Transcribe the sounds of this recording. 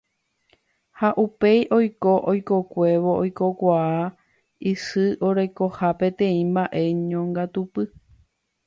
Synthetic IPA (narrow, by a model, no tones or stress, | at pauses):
haʔupe̞jʔo̞jko̞ʔojko̞kʷe̞ʋo̞ʔojko̞kʷaa | isɨʔo̞ɾe̞kohapẽ̞t̪ẽ̞ĩmbaʔe̞ɲõŋɡat̪upɨ